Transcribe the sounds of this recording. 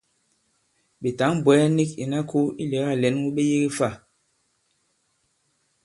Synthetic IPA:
ɓi˨ta˨˦ŋbwɛ˨˦ni˦ki˨na˦kʰu˦i˦le˨˦ɣa˦˨lɛ˨˦n˦wu˦ɓi˦ji˦ɣi˦fa˦˨

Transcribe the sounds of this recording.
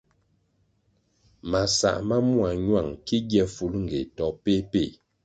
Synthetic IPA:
ma˨sa̰˨ʔma˦mu˦a˨ɲwa˦˨ŋki˦ɡjɛ˦fu˨lŋ̩˨ɡe˨tɔ˨pe˦pe˦˨

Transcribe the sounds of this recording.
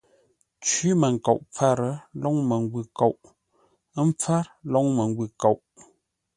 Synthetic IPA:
t͡ʃi˦mə˨ŋ̩˨ko˨ʔp͡fa˦ɾə˦lɔ˦ŋmə˨ŋ˦ɡwʉ˨ko˨ʔ | m˦p͡fa˦ɾlɔ˦ŋmə˨ŋ˦ɡwʉ˨ko˨wʔ

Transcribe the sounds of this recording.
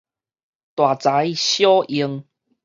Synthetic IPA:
t̪wa˨˩t͡sa˨˦i˨ɕjɔ˦ʔi˧əŋ

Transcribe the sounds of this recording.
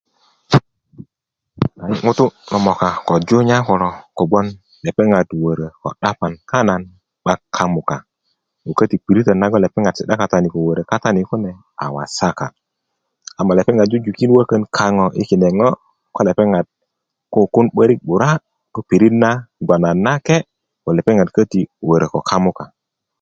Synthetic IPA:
a˨ji˦ŋu˦tu˦lɔ˨mɔ˨ka˨ko˨d͡ʒo˦ɲa˦kɔ˨ɾo˨ko˨ɡ͡bo˦n | le˨pe˦ŋa˨dwə˨ɾə˨ko̰˨ɗa˦pa˨nka˦na˨n | ɓa˦kʰa˦mu˨ka˨ | u˨kə˦ti˨pi˨ɾi˦tə˨na˦ɡo˦le˨pe˦ŋɡa˨dsi˨ɗa˦ka˨ta˨ni˨ko˨wə˨ɾə˨ka˦ta˦ni˨ku˦ne˨ | a̰˨wa̰˨sa˦ka̰˨ | a˨mːa˨le˨pe˦ŋɡa˨d̚d͡ʒu˦d͡ʒu˨ki˦n˦wə˦kə˦nkʰa˦ŋo˨ʔḭ˦ki˨ne˨ŋo˦ | ko˦le˨pe˦ŋa˨d̚ | ko˦ku˦nɓə˦ɾi˦k̚ɓu˨ɾa˦ | ɡ̥o˦pi˨ɾi˦tna˦ɡʷa˨na˨nːa˦ke˦ | ko˨le˨pe˦ŋa˨dkə˦ti˨wə˨ɾə˨ko˨kʰa˦mu˦ka˨

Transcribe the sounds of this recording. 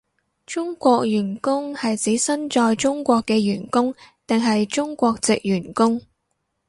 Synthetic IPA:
t͡ʃʊ˥ŋkʷɔː˧k̚jyː˨˩nkʊ˥ŋhɐ˨jt͡siː˨˥sɐ˥nt͡ʃɔː˧jt͡ʃʊ˥ŋkʷɔː˧kːɛː˧jyː˨˩nkʊ˥ŋt̪ɪ˨ŋɦɐ˨jt͡sʊ˥ŋkʷɔː˧k̚t͡sɪ˨k̚jyː˨˩nkʊ˥ŋ

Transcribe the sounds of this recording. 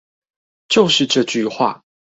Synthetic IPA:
t͡ɕjo˥˨ʊʂɻ̩˥˨ʈ͡ʂɤ˥˧t͡ɕy˥˨xwa̰˥˩

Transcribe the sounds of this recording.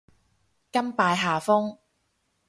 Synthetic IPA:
kɐ˥mpaː˧jɦaː˨fʊ˥ŋ

